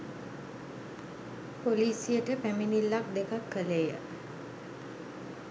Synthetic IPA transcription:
poliːsijəʈəpæminilːak̚d̪ekakːəlejə

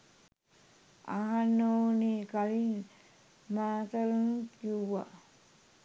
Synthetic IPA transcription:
aɦanːonikalin | mat̪alunkuwa

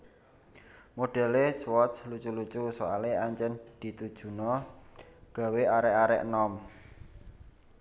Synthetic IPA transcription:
moɖ̥ɛ̤leswɔslut͡ʃulut͡ʃusoaleaɲt͡ʃənd̪̥i̤t̪ud̥ʒ̥ṳnɔ | ɡ̥ä̤weaɾɛʔaɾɛʔnɔm

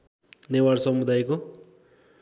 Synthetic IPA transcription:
newaɾsʌmud̪ajko

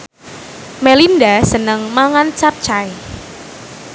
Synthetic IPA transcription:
melindasənəŋmaŋant͡ʃap̚t͡ʃaj

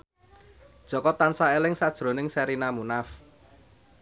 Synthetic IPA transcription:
d̥ʒ̥ɔ̤kɔt̪ansaelɪŋsad̥ʒ̥ɾo̤nɪŋsɛɾinamunaf

